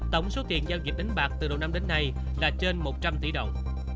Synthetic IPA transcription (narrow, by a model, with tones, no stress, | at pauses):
t̪ə˧˩wŋ͡mso˨˦t̪ḭ˨˩ənzaː˧wzi˨˩k̚ɗa˨˦ŋ̟ɓaː˨˩k̚t̪ɨ˨˩ɗə˨˩wna˧mɗe˨˦nːa˧j | laː˨˩t͡ɕe˧nmo˨˩t̚t͡ɕa˧mt̪ḭ˧˩˦ɗə˨˩wŋ͡m